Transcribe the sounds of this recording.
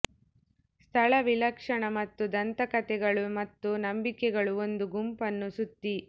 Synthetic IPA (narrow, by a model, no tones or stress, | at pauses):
st̪ʰɐɭɐʋilɐkʂɐɳɐmɐt̪ːud̪ɐnt̪ɐkɐt̪ɛɡɐɭumɐt̪ːunɐmbikɛɡɐɭuo̞nd̪uɡumpɐnːusut̪ːi